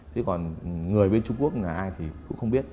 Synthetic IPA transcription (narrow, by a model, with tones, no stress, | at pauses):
t̪ʰi˨˦kɔ˨˩nŋɨ˨˩əjɓe˧nt͡ɕʊ˧ŋ͡mku˦˥ək̚na˨˩jʔaː˧jt̪ʰi˨˩kʊ̰˧˥ŋ͡mxə˧wŋ͡mɓi˦˥ət̚